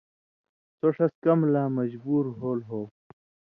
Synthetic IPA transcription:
soʂɐskɐmlaːmɐd͡ʑbuːɾɦoːlɦoː

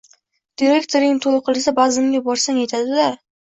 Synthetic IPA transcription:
d̪̥iɾe̞kt̪ʰoɾɪŋt̪ʰolˠqʰɨlˠɪsabazɪmɡʲabɒɾsaŋajt̪ʰad̪ɪla

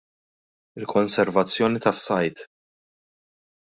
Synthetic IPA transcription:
ɪlkɔnsɛɾvɐt͡sːjɔːnit̪ɐsːɐjt̪

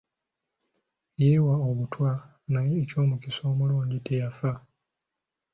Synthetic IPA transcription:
jeːwaoβutwa | najeːco̞ːmukiso̞ːmuluːɲɟitejafa

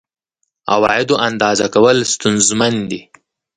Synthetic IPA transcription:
a̰wɑ̰ɪd̪oʔand̪ɑzakawəlst̪ʊnzmand̪i

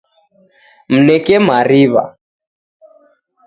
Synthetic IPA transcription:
m̩nɛkɛmaɾiβa̰

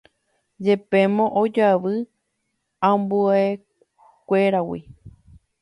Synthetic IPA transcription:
d͡ʒe̞pẽmõʔod͡ʒaʋɨ | ãmbuae | kʷe̞ɾawḭ

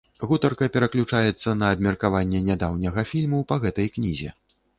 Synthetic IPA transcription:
ɣut̪ɐrkɐpʲɛɾɐklʲut͡ʂajɛt̪sːɐnɐːbmʲɛrkavanʲːɛnʲad̪awnʲɐɣɐfʲilʲmupɐɣɛt̪ɐjknʲizʲɛ̰

